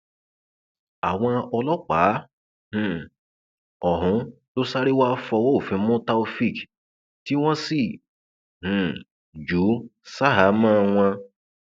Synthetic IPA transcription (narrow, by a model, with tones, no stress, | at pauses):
a˨w̃ɔ̃˧ɔ˧lɔ˦k͡pa˨˦ | h̩˨ | ɔ˨ɦũ˨˦ | o˦sa˦ɾi˦wa˦fɔ˧wo˦o˨fĩ˨˧˦mõ˦ta˦o˧fi˦˨k | ti˦w̃ɔ̃˦si˦˨ | h̩˨ | d͡ʒu˨˦sa˦ɦa˨˦mã˦˧w̃ɔ̃˧